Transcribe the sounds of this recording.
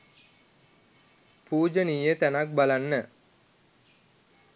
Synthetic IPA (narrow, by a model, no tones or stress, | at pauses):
puːd͡ʒənijjət̪ænak̚balanːə